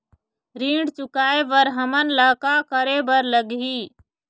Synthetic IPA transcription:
ɾĩːɳɖt͡ʃʊkaːebəɾɦəmənlaːkakəɾebəɾləɡɦiː

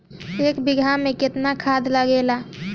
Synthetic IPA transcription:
eːkbiɡʱamẽkɪt̪nakʰad̪ləɡela

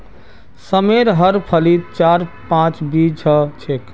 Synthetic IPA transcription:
səmeɾɦəɾpʰəlit̪̚t͡ʃaɾpãt͡ʃbid͡ʒʰət͡ʃʰek

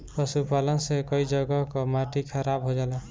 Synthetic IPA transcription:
pɔsupalɔnsekɔid͡ʒʌɡɔkɔmaʈikʰaɾabɦod͡ʒalɔ

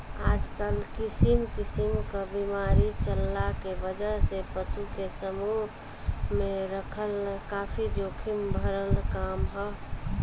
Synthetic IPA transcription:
aːd͡ʒkəlkisimkisimkəbimaɾit͡ʃəlːakebəd͡ʒəɾsepət͡ʃukesəmuɦ | mẽɾəkʰəlkaːpʰid͡ʒokʰimbʱəɾəlkaːmɦɔ

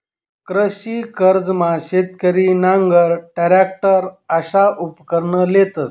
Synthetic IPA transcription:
kɾəɕiːkəɾd͡zmaɕet̪kəɾiːnaŋɡəɾʈaɾak̚ʈəɾəɕaʔupkəɾɳəlet̪əs

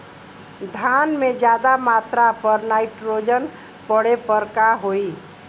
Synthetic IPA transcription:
d̪ʱaːnmẽd͡ʒjaːd̪amaːt̪ɾapəɾnaːɪʈɾoːd͡ʒən | pəɽepəɾkaɦoːi

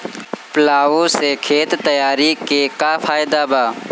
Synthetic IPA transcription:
plaːosekʰeːt̪t̪ːəjaːɾikekapʰaːjd̪abaː

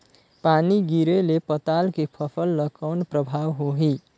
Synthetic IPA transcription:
paniɡiɾelepʌt̪alkepʰʌpʰʌlːʌkawnprʌbʱawɦoɦi

